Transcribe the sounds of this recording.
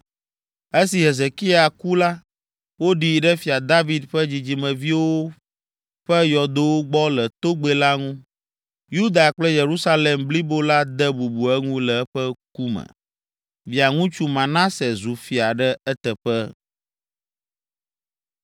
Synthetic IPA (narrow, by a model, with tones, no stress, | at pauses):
e˦si˨ɦe˨ze˨ki˦a˨ku˦la˦ | wo˦ɖi˨ɖɛ˦fi˨a˨d̪a˦vi˨d̪ɸɛ˦d͡ʑi˨d͡ʑi˨mɛ̃˨vi˦wo˦ | ɸɛ˦jɔ˨d̪o˦wo˦ɡ͡bɔ˦lɛ˨t̪o˦ɡ͡bɛ˦la˦ŋũ˦ | ju˦d̪a˨k͡plɛ˦je˨ɾu˦sa˦le˨mbli˦bo˦la˦d̪ɛ˦bu˨bu˨ɛ˦ŋũ˦lɛ˨˦ɸɛ˦k̚u˦mɛ̰̃˨ | vi˨a˨ŋũ˦t͡ʃu˦mã˨nã˦sɛ˨zu˨fi˨a˨ɖɛ˦ɛ˦t̪ɛ˨ɸɛ˦